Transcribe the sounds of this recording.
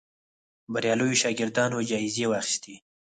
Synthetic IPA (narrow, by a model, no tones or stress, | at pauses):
baɾjɑlujoʃɑɡɪɾd̪ɑnod͡ʒɑɪzewɑxɪ̥st̪i